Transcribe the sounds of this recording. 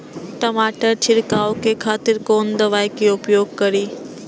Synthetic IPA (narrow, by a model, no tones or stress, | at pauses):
ʈɐmaːʈəɾt͡ʃʰɪɾkaːokʰeːkʰaːt̪ɪɾkoːnd̪ɐʋaːjkioʊpjoːɡ̚kɐɾiː